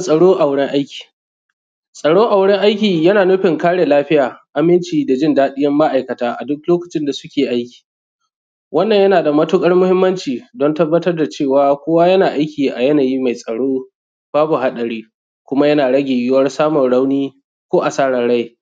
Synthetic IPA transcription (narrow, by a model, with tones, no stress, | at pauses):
sʼɐ˨ɽoː˦ʔa˨wɽɛ˦ŋʔa˦jkʲi̥ː˨ | sʼɐ˨ɽoː˦ʔa˨wɽɛ˦ŋʔa˦jkʲiː˨jɐ˦naː˨nʊ˦ɸɪ˨ŋkaː˦ɽe˨laː˦ɸɪ˦jaː˨ʔa˨mɪ˦nt͡ʃiː˨da˨d͡ʒɪ˦ndaː˦ɗɪ˦jɐ˦mːa˦ʔa˨jkɐ˨taː˦ʔa̰˨dʊ˦k̚loː˦kɐ˨t͡ʃɪ˦nda˨sʊ˦kʲeː˨ʔa˦jkʲi̥ː˨ | wɐ˦nːɐ˨ɲjɐ˦naː˨da˨mɐ˦tʊ˦kʼɐ˦rmʊ˦hɪ˦mːɐ˦nt͡ʃiː˨dɔ˦ntɐ˦bːɐ˦tɐ˦rda˨t͡ʃeː˦˨waː˨kʷoː˦wa˦jɐ˦naː˨ʔa˦jkʲiː˨ʔa˨jɐ˦naː˨ji˦ma˨jsʼɐ˨ɽoː˦ | b̥aː˦bu˨ɦa˦ɗɐ˨ɽiː˦ | kʷʊ˦ma˦jɐ˦naː˨ɽɐ˦ɡʲeː˨jɪ˦wɐ˦rsaː˦mɔ˨nɽa˦wniː˦ | kʷoː˦ʔa˨saː˦ɽɐ˨ɽa˦j